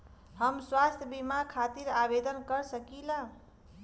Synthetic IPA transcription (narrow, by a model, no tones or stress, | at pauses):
həmswast̪ʰjəbimakʰat̪iɾabed̪ənkəɾsəkila